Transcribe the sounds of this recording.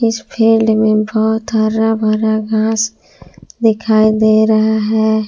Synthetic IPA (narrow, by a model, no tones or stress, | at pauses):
ɪspʰeːɖmẽbɔɦʊt̪əɾabʱəɾaɡãːs | d̪ɪkʰaːid̪eːɾɐɦaɦɛː